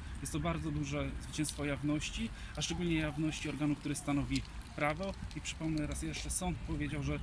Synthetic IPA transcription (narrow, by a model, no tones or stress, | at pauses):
jɛst̪ːɔbaɾd̪zɔd̪uʐɛzvɘt͡ɕɛ̃wst̪fɔjavnɔɕt͡ɕiaʂt͡ʂɛɡulɲɛjavnɔɕt͡ɕiɔɾɡanuk̚t̪uɾɘst̪anɔvʲipɾavɔipʂɘ̥pɔmnɛɾasjɛʂt͡ʂɛsɔnt̪̚pɔvʲjed͡ʑawʐɛ